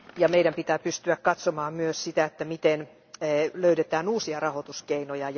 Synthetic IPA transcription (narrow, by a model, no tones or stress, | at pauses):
jɑmeiɾæmpit̪æːpyst̪yækkɑt̪somɑːmmyøssit̪æet̪ːæmit̪enː | løyɾet̪æːnuːsiɑrɑhot̪uskeinojɑj